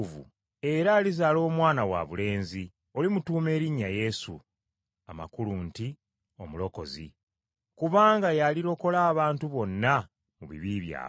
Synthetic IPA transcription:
vṵ | e̞ɾaːlizaːlo̞ːmwaːnawa̰βule̞ːnzi | o̞limutuːme̞ːɾiɲːaje̞sṵ | ama̰kuluːnti | o̞mulo̞ko̞̰zḭ | kuβaːŋɡajaliɾo̞ko̞laːβaːntuβo̞nːa | muβḭβiːβja̰ː

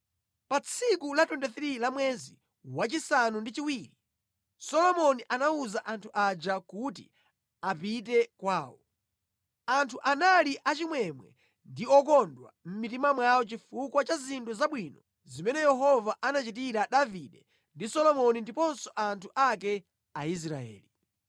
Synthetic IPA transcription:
pat͡sʰikulatwɛndaθɾilamwɛzi | wat͡ʃisanundit͡ʃiwiːɾi | sɔlɔmɔniʔanauzaʔantʰuʔad͡ʒakutḭ | apitɛkwaːwɔ | antʰuʔanaliʔat͡ʃimwɛmwɛ̰ | ndiɔk̬ɔndwa̰m̩mit̬imamwawɔt͡ʃifukwat͡ʃazinduzaɓwinɔ | zimɛnɛjɛɦɔvaʔanat͡ʃit̬iɾaɗaviɗɛ | ndisɔlɔmɔnindipɔnsɔʔantʰuʔakɛ | ais̬ɾa̰ɛ̰ːli

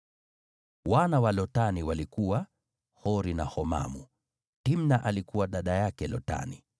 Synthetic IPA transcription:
wanawalɔtaniwalikuwa | hɔɾinahɔma̰mu | timnaʔalikuwaɗaɗajakɛlɔta̰ni

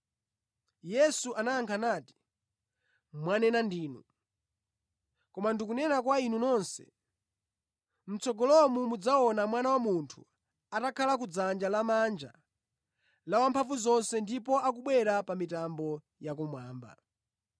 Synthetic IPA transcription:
jɛsuʔanajaŋkʰanaːti̥ | mwanɛnandiːnṵ | kɔmandikunɛnakwainunɔnsɛ̰ | m̩t͡sɔɡɔlɔmumud͡zaɔnamwanawamuntʰu | atakʰalak̬ud͡zand͡ʒalamand͡ʒa | lawampʰaɱvuzɔnsɛndipɔak̬uɓwɛɾapamitambɔ | jak̬umwaːmba̰

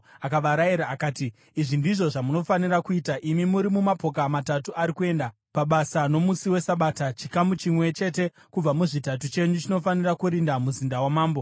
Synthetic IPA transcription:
akaʋaɾaiɾaːkaːtiː | ʐindiʐo̞ʐamuno̞fanirakuiːtaʔimimuɾimumapo̞kamatatuʔaɾikue̞ːnda | paɓasano̞musiwe̞saɓaːtat͡ʃikamut͡ʃimwe̞t͡ʃe̞te̞ | kub͡vamuʐitat̬ut͡ʃe̞ɲut͡ʃino̞fanirakuɾindamuzindawamaːmbo̞

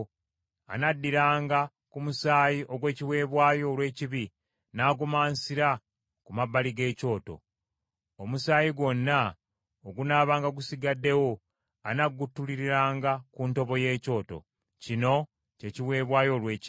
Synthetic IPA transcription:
a̰nadːiɾaːŋɡa | kumusaːjiʔo̞ɡwe̞ːciwe̞ːβwaːjo̞ːlwe̞ːciβi | naːɡumaːnsiɾa | kumabːaliɡe̞ːco̞ːto̞̰ | omusaːjiɡwo̞nːa | oɡunaːβaːŋɡaɡusiɡadːe̞wo̞ | anaɡutːuliɾiɾaːŋɡakunto̞βo̞je̞ːco̞ːto̞̰ | cino̞ | ce̞ciwe̞ːβwaːjo̞lweːc

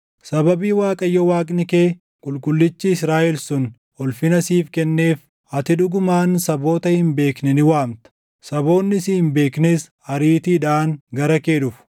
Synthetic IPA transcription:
sɐbɐbiːwaːkʼɐjːɔwaːkʼnɪke̞ː | kʼʊlkʼʊlːɪt͡ʃːiːsɾaːʔɛlsʊn | ɔlfɪnɐsiːfkɛnːe̞ːf | ɐt̪ɪᶑʊɡʊmaːnsɐbo̞ːt̪ɐhɪmbe̞ːknɛnɪwaːmt̪ɐ̥ | sɐbo̞ːnːɪsɪhɪmbe̞ːkneːs | ɐɾiːt̪iːᶑaːŋɡɐɾɐke̞ːᶑʊf

